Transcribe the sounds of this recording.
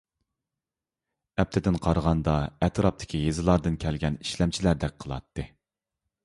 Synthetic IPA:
ɛp̚t̪ʰɪd̪ɪnqʰɑɾʁɑnd̪ɑɛt̪ʰɾɑp̚t̪ʰɪ̥kʲʰijezɨlˠɑɾd̪ɨnkʲʰɛlɡʲɛni̥ʃlɛmt͡ʃʰilæɾd̪ɛk̚ʲqʰəlˠɑ̰t̪ːɨ

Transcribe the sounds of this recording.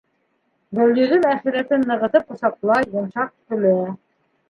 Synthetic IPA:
d̪æwlɵ̆ðɵnæχĭɾæt̪ɘnːɤ̆ʁɤ̆t̪ɤpŏsɑqlˠɑjːɤ̆nʃɑq̚t̪ɵ̆læ

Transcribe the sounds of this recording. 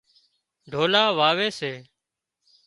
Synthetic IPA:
ɖʱoːlaːʋaːʋeːseː

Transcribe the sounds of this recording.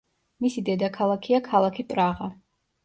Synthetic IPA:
misid̪ɛd̪akʰalˠakʰiakʰalˠakʰipʼɾaʁa

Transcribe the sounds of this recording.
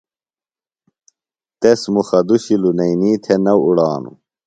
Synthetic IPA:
t̪esmuxɐd̪uɕilunɐiniːt̪ʰenɐwuɽaːnṵ

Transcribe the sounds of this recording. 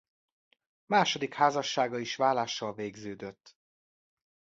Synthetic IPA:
maːʃod̪ikhaːzɒʃːaːɡɒiʃvaːlaːʃːɒlveːɡzøːd̪øt̪ː

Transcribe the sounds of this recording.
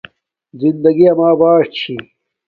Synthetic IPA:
zind̪ɐɡiɐmaːbaːʂt͡ɕʰi

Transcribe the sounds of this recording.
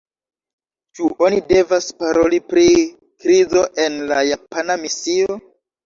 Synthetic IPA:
t͡ʃuʔo̞nide̞vaspaɾo̞lipɾi | kɾizo̞ʔe̞nlajapanamisio̞

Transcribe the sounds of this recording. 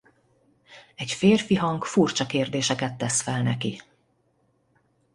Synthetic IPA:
ɛcfeːrfiɦɒŋkfurt͡ʃɒkeːrd̪eːʃɛkɛt̪ːɛsfɛlnɛki

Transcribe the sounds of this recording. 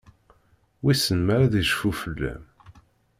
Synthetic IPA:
wisənmaɾaðiʒfufəlːæ̰m

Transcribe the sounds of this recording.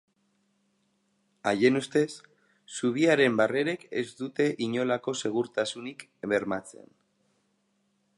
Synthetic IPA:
aje̞nust̪e̞sː | uβ̞iaɾe̞mbare̞ɾeke̞̰zd̪ut̪e̞ʔiɲo̞lako̞se̞ɣ̞uɾt̪asunik | βe̞ɾmat͡se̞̰n

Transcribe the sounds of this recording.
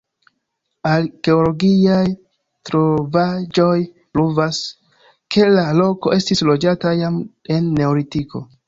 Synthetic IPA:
aɾke̞olo̞ɡiaj | tɾo̞vad͡ʒo̞j | pluvas | kʰe̞lalo̞ko̞ʔe̞stislo̞d͡ʒatajame̞nːe̞olitiko̞̰

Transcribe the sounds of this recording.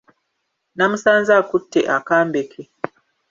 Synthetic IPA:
namusanzakutːeʔakaːmbekʰe

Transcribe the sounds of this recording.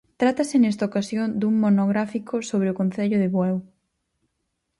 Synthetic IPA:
t̪ɾat̪ɐsɪnɛst̪aokasjond̪uŋmonoɣɾafikʰosoβɾeʊkon̟θeʎʊðɪβwɛw

